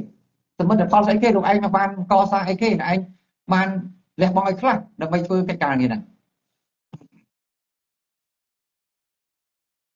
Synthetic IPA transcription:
sɑmːɨt̪̚ːapʰɑlsʔəjkʰeːɾuːk̚ʔaɛŋ̚maŋɓaːnkɑːsaːŋʔəjkʰeːnɛ̆ʔaɛŋ | ɓaːn | lɛ̆əhɓɑŋʔaːwjkʰlahɗaəmɓəjt̪ʰʋəːkəc̚kaːniənaŋ

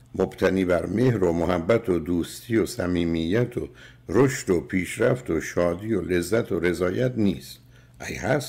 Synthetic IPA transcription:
mob̥t̪ʰæniːbæɾme̞hɾomohæbːæt̪ʰod̪uːst̪ʰijosæ̰miːmijːæt̪ʰo̰ | ɾoʃt̪opʰiːʃɾæft̪ʰoʃɒːd̪ijole̞zːæt̪ʰoɾe̞zɒːjæt̪niːst̪ | ʔæ̰jhæs

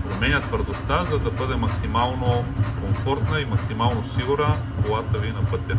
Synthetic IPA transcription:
pɾomɛnʲət̪vəɾd̪ost̪azɐd̪ɐbɤd̪ɛmɐksimalˠnokoɱfɔɾt̪nəimɐksimalˠnosiɡuɾə | kolˠat̪əvinɐpɤt̪ʲːɐ

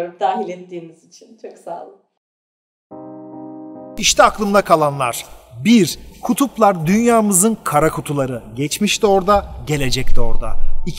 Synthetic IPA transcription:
d̪aːɦilʲɛt̪ːiːmizit͡ʃʰint͡ʃʰoksa̰ːlˠ | iʃt̪ʰɛaklˠɯmd̪akʰalˠanlˠa̰ɾ̥biɾkʰut̪ʰuplˠaɾd̪ynjaːmɯzɯnkʰaɾakʰut̪ʰulˠaɾɯɟɛt͡ʃmiʃt̪ʰio̞ɾd̪aɟe̞lʲe̞d͡ʒɛct̪ʰio̞ɾd̪a̰i

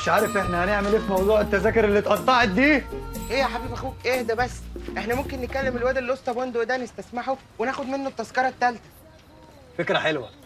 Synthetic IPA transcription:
meʃʕaːɾefʔeħnæhæneʕmeleːfimɑwd̪ˤuːʕet̪ːæzæːkoɾelːit̪ʔɑt̪ˤːɑʕet̪̚d̪iːʔejæħabiːbʔæxuːkʔeːhd̪æbæsːʔeħnæmomkenːetkːælːemelwæːd̪elːʔosˤt̪ˤɑbond̪oʔd̪ænest̪æsmaħo | wenæːxod̪menːot̪ːɑzkɑɾˤɑt̪ːælt̪æ̥ | fekɾæħelwæ

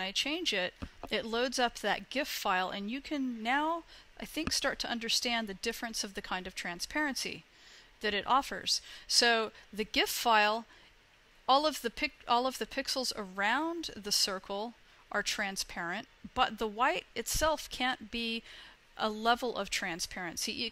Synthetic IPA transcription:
naɪt͡ʃʰẽɪ̃nd͡ʒɪɾɨtˡloʊdzʌp̚ðɨ̰t̚ɡ̥ɪftfaɪlˠɨ̰̃njɨkʰɨ̃nːaʊʔaɪθɪ̃ŋkstɑɹtʰɨʔʌ̃ndə˞stæ̃nðɨdɪfɹɨ̃nsʌvðɨkʰãɪ̃ndʌv̥tʰɹ̥æ̃nspʰɛɹɨ̃nsḭ | ðɨɾɨɾʔɔfə̰˞z̥soʊðɨɡɪftfaɪlˠ | ɔlˠʌvðɨpʰɪɔlˠʌvðɨpʰɪksl̩ˠzə̰˞ãʊ̃nðɨsɜ˞kʰl̩ˠ | ʔə˞tʰɹ̥æ̃nspʰɛɹɨ̃nt̚b̥ʌt̪̚ðəwaɪɾɨtsɛlˠfkʰæ̃nb̥i | ʔəlɛvl̩ˠʔʌ̰v̥tʰɹ̥æ̃nspʰɛɹɨ̃nsiʔ

